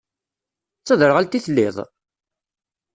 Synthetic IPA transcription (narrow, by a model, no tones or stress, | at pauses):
t͡sːəðəɾʁælt̪iθlːiðˤ